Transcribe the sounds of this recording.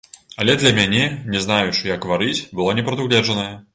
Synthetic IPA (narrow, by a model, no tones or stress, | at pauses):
ɐlʲɛd̪lʲɐmʲanʲɛnʲɛznajut͡ʂɨjɐɡvaɾɨt͡sʲbɨlˠɔnʲɛpɾɐd̪uɣlʲɛʐɐnɐjɛ